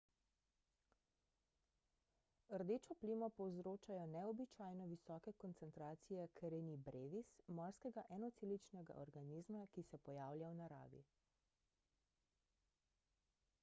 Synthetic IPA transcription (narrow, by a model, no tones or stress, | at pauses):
əɾd̪eːt͡ʃɔplimɔpɔwzɾoːt͡ʃajɔnɛɔbit͡ʃaːjnɔʋisɔkɛkɔnt̪sɛnt̪ɾaːt̪sijɛkɾenibɾeːʋismɔɾskɛɡaʔɛnɔt̪silit͡ʃnɛɡa̰ʔɔɾɡaniːzmakisɛpɔjaːwljawnaɾa̰ːʋḭ